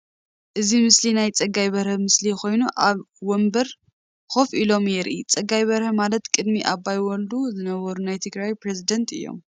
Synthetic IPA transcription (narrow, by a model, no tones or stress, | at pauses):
ʔɨzimɨslinajt͡sʼɐɡːajβɐɾhɐmɨslixo̞jnuʔaβ | wɔmbɐɾ | xo̞fʔilo̞mjɛɾʔit͡sʼɐɡajβɐɾhɐmalɐt̪kʼɨd̪miʔaβajwɔld̪uzɨnɐβɐɾunajt̪ʰɨɡɾajpɾezid̪ɐnt̪ʰɨ̰jːo̞̰m